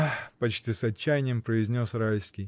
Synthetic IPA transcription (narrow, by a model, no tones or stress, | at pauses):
pɐt͡ɕtʲisɐt͡ɕːæjnʲɪjəmpɾəɪzʲnʲo̞sɾalʲskʲij